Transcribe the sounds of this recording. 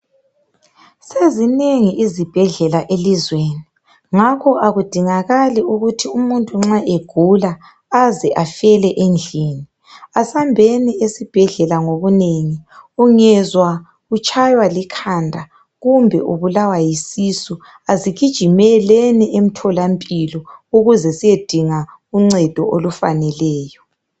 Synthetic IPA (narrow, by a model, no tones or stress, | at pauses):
sezineŋiʔizib̥ʱɛɮɛlaʔelizweːni | ŋakʰɔʔaɣud̥ʱiŋaɣaliuɣutʰiumuntʼuŋ͡ǁaʔeɡ̥ʱulaː | zɛʔafɛlɛʔend͡ɮʱiːni | asambʱɛniesib̥ʱɛɮɛlaŋoβuneŋiuŋɛzwa | ɣut͡ʃʰʼajwalikʰandʱa | ɣumbʱɛ̰ʔuβulawajisisu | aziɣid̥ʒ̥ʱimɛlɛnɛʔem̩tʰɔlampʼilɔuɣuzɛsijed̥ʱiŋa | uŋ͡ǀɛd̥ʱɔʔolufa̰nɛlɛːjɔ